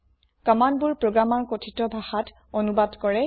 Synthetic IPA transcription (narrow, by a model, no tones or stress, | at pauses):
kamanbuɹpɹoɡɹamaɹkotʰitɔbʱaxat | onubadkɔɹɛ